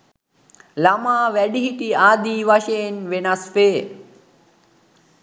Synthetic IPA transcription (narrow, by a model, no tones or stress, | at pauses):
lamaːʋæɖiɦiʈiaːd̪iːʋaʃejenʋenasfeː